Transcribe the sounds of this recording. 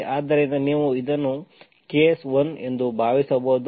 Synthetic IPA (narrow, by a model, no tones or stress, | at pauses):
ʔaːd̪ɐɾinɐniːʋuid̪ɐnːu | keːsʋɐne̞nd̪ubʱaːʋisɐbɐɦud̪